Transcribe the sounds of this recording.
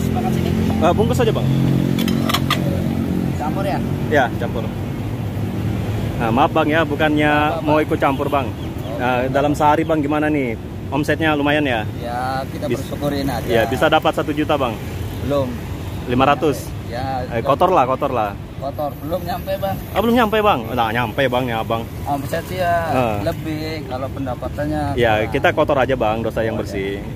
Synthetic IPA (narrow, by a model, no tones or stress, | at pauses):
sumakasiiəbuŋkʊsad͡ʒabaŋ | t͡ʃampʊrjaijat͡ʃampʊr | əmap̚baŋjabukanɲamawikut͡ʃampʊrbaŋ | ədalamsəɦaɾibaŋɡimanani | ʔɔmsɛt̪̚ɲalumajanja | jakit̪absəkuɾinajabisadapat̪̚sat̪ud͡ʒut̪abaŋ | bəlʊm | limaɾat̪ʊs | jakot̪ɔrlahkɔt̪ɔrlah | kot̪ɔrbəlʊmɲampɛbaŋʔəbəlʊmɲampabaŋnaɲampɛjbaŋniabaŋ | ɔmsɛt̪̚ijaələbɪhkalopəndapat̪anɲaijakit̪akot̪ɔɾad͡ʒabaŋdosajaŋbərsɪ